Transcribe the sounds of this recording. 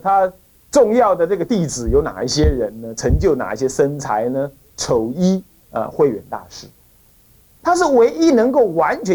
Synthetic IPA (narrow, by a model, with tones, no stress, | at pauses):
t̪ʰa˥ | ʈ͡ʂʊ˥˧ŋjɑ˥˩ʊd̪ə˩ʈ͡ʂɤ˥˩ɡə˩t̪i˥˩t͡sɹ̩˨˩jo˧˥ʊna̰˨˩i˥˩ɕjɛ˥ɻə˧˥nnə˧ʈ͡ʂʰɤ˧˥ŋt͡ɕjo˥˩ʊna̰˨˩i˥˩ɕjɛ˥ʂə˥nt͡sʰa˧˥ɪnə˧ | ʈ͡ʂʰo˨˩ʊi˥ | ə̰˧xwe˥˩ɪɥɛ̰˨˩nt̪a̰˥˧ʂɻ̩˥˩ | t̪ʰa˥ʂ̬ɻ̩˥˩we˧˥ɪi˦˥nɤ˧˥ŋko˥˩ʊwa˧˥nt͡ɕʰɥɛ˧˦